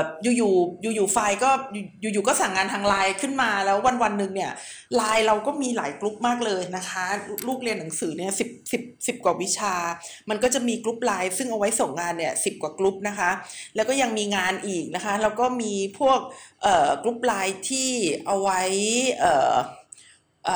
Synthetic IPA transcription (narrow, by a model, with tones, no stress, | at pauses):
juː˨˩juː˨˩juː˨˩juː˨˩faː˧jkɔː˥˩ju˨˩juː˨˩juː˨˩kɔː˥˩saː˨˩ŋːaː˧nt̪ʰaː˧ŋlaː˧jkʰɯ˥˩nmaː˧lɛː˦˥wːa˧nwa˧nːɯ˨˩ŋni˥˩ɐ | laː˧jɾa˧wkɔː˥˩miː˧la̰ː˩˦jklu˦˥p̚maː˥˩k̚lɤː˧jna˦˥kʰa˦˥luː˥˩k̚li˧ənːa˩˦ŋsɯː˩˦ni˥˩ɐsi˨˩p̚si˨˩p̚si˨˩p̚kwaː˨˩wi˦˥t͡ɕʰaː˧ma˧nkɔː˥˩t͡ɕa˨˩miː˧klu˦˥p̚laː˧jsɯ˥˩ŋʔa˧wa˦˥jso˨˩˦ŋːaː˧nːi˥˩ɐsi˨˩p̚kwaː˨˩klu˦˥p̚na˦˥kʰa˦˥ʔlɛ˦˥wkɔː˥˩ja˧ŋmiː˧ŋaː˧nʔiː˨˩k̚na˦˥kʰa˦˥lɛː˦˥wkɔː˥˩miː˧pʰu˥˩ək̚ʔɤː˨˩kːlu˦˥p̚laː˧jt̪ʰiː˥˩ʔa˧wa˦˥jʔɤː˨˩ | ʔː